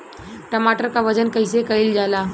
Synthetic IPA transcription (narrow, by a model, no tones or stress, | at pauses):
ʈəmaʈəɾkaʋəd͡ʒənkəɪsekəild͡ʒala